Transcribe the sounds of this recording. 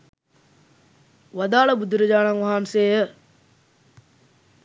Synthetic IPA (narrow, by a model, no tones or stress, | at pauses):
ʋɐd̪aːɭɐbud̪uɾɐd͡ʒaːnaŋʋɐɦaːnseːjə